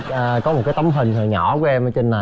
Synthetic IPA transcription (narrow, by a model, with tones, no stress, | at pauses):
ʔəː˨˩kɔ˨˦mo˨˩t̚kaː˨˦jt̪ə˨˧˦wŋ͡mɦï˨˩ŋ̟t̪ɔ˨˩ɲɔ̰˧˩˦ku˨˧˦ʔɛ˧mʔəː˧˦t͡ɕe˧nːa˨˩